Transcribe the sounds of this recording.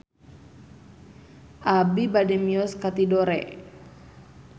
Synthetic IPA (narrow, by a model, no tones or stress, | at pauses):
ʔabibadɛmiɔskat̪idɔɾɛ̰